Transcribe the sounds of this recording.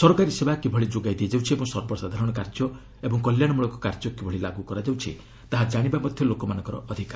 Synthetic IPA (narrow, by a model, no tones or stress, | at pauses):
sɔɾɔkaɾisebakibʱɔɭid͡ʒoɡajd̪ied͡ʒewt͡ʃʰiebɔŋsɔɾbɔsad̪ʱaɾɔɽ̃ɔkaɾd͡ʒɔ | ebɔŋkɔljaɽɔmuɭɔkukaɾd͡ʒɔkibʱɔɭilaɡukɔɾad͡ʒawt͡ʃʰḭ | t̪aɦad͡ʒaɽ̃ibamɔd̪ʱjɔlokɔmanɔ̃ŋkɔɾɔ̰ʔɔd̪ʱikaɾ